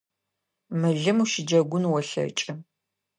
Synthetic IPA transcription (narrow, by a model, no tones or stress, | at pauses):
mɨɮɨmuʃɪd͡ʒɐɡʷʊnwɔɬɐ̰t͡ʃʼɪ